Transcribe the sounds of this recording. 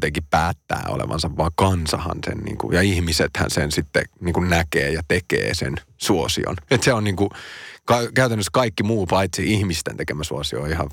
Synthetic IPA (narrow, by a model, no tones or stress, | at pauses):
t̪eŋkippæːt̪ːæ̰ːo̰lḛʋɑ̰nsɑʋʋɑːkɑnsɑhɑ̰nsḛnnḭːŋkṵjɑihmiset̪hæ̰nsensit̪ːḛniːŋkunnækḛːjɑt̪ekḛːsḛnsuosḭo̰net̪seonniːŋkukɑkæyt̪ænːøskɑikːimuːpɑit̪siihmist̪ḛnt̪ekemæsuosioːihɑʋ